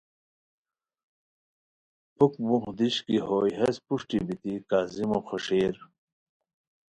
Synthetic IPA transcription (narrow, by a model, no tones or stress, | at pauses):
pukbuxd̪iɕkiɦoːjɦɐspuʂʈibit̪ikaːzimoxoʂeːɾ